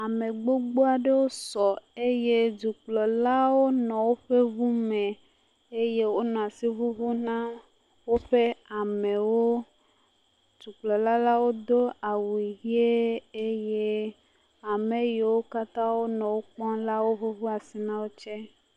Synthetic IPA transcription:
a˨me˨ɡ͡bo˦ɡ͡bo˦a˨ɖe˦wo˦sɔ˨e˦je˦d͡ʒu˨k͡plɔ˨la˦wo˦nɔ̃˨wo˦ɸe˦βu˦mɛ̃˨ | e˦je˦wo˦nɔ̃˨a˨si˦βu˦βu˦nã˦ | wo˦ɸe˦a˨me˨wo˦ | d͡ʒu˨k͡plɔ˨la˦la˦wo˦d̪o˦a˨wi˨ɦi˦e˦e˦je˦ | a˨me˨je˨wo˦ka˦t̪ã˦wo˦nɔ̃˨wo˦k͡pɔ̃˦la˦wo˦ɸe˦βu˦a˨si˨nã˦wo˦t͡ʃɛ˦

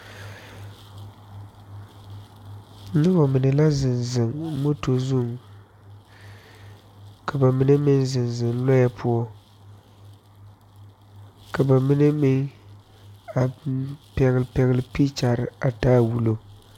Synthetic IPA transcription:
nɨ˦bɔ˨mɪ˨nɨ˨la˦zɪ˨nzɪ˨ŋmo˦to˨zu˦˨ŋ | ka˨ba˨mi˦nɨ˦mɪ˦nzɨ˨nzɨ˨nlɔ˦ja˦pʰʊ˦ɔ˦ | ka˨ba˨mi˦nɨ˦mɪ˦n | a˨pɛ˨˦ɣlpɛ˨ɣɪ˦lɨ˨pi˦t͡ʃa˨ɾɨ˨a˨taː˦wu˨lo˦˨

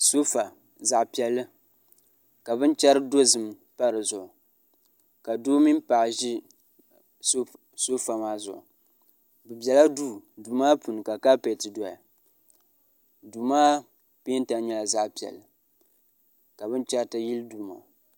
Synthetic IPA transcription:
so˦fa˨ | za˨ʔpi˨ɛ˨lːɨ˦ | ka˨bɨ˦nt͡ʃɛ˦ɾɨ˦do˦zɨ˨m˦ | pa˦ɾɨ˨zʊ˨ʔʊ˨ | ka˨doː˦mi˦mpa˨ʔʒi˦ | so˦fa˨maː˦zʊ̰˨ʔʊ˨ | bɨ˨bɛ˨la˦duː˦˨duː˨maː˦pu˨n˨ka˨ka˦pe˨tɨ˨dɔ˨ja˨ | duː˨maː˦ | pe˦n˦ta˨˦ɲɛ˦la˨za˦ʔpi˨ɛ̰˨lːɨ˨ | ka˨bɨ˦nt͡ʃɛ˦ɾta˦ji˦lduː˨ma̰˨

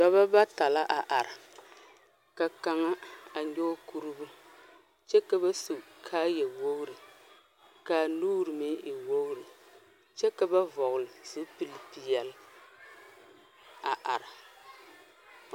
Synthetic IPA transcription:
da˦βa˦ba˦ta˨la˦ʔa˨ʔa˨ɾa˨ | ka˨ka˨ŋa˦a˨ɲo˦ku˦ɾɨ˦bu˦ | t͡ʃɛ˦ka˨ba˦su˨kʰaː˦jɛ˨wo˦ɣɾɨ˨ | ka˨nuː˦ɾɨ˨me˦ʔɪ˨wo˦ɣʊ˦ɾɨ˨ | t͡ʃɛ˦ka˨ba˦vɔ˨ɣʊ˨lɨ˨z̥o˦pi˦li˨pi˨jɛ˨l | a˨ʔa˨ɾa˨

